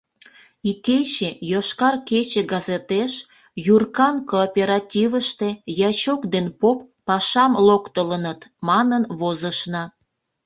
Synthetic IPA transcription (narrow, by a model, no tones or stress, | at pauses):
iket͡ɕejoʃkɑrket͡ɕeɡɑzet̪eʃ | jurkɑnkoːpʲeɾɑtʲiβəʃt̪ejɑt͡ɕokd̪enpopːɑʃɑmlokt̪ələnət̪mɑnənβozəʃnɑ